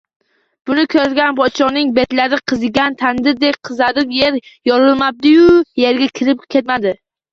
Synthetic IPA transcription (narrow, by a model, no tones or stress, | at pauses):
b̥ʊnɪkʲʰɵɡʲanpʰɒt̪t͡ʃʰɒnɪŋbe̞t̪laɾɪqʰɨzɪɡʲant̪ʰand̪ɪɾd̪ek̚ʲqʰɨzaɾɪpje̞ɾjɒɾɪlˠmab̚d̪ɪjʊje̞ɾɡʲakʲʰɪɾɪp̚kʲʰe̞t̪mad̪ɪ